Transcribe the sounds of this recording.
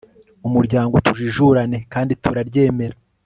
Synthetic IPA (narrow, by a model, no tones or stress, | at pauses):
umuɾɟaːŋɡotuʒiʒuɾane̞kaːndituɾaɾɟe̞ːme̞ɾa